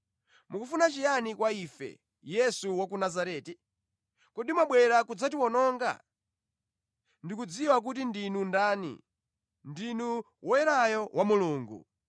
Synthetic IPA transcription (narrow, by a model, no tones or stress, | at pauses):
mukufunat͡ʃijanikwaifɛ̰ | jɛsuwak̬unazaɾɛːti | kuɗimaɓwɛɾakud͡zatiwɔnɔːŋɡa̰ | ndikud͡ziwak̬ut̬indinundaːnḭ | ndinu | wɔjɛɾajɔwamuluːŋɡṵ